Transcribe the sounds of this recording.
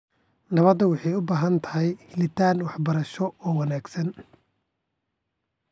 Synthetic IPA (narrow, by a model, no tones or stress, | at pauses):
nɐβɐd̪ɐwɑħɑjʊbaːɦɐnt̪ʰɐ̥ɦɛjhɪlɪt̪ʰaːnwɑħbɐɾɐʃɔɔːwɑnaːɡsɐn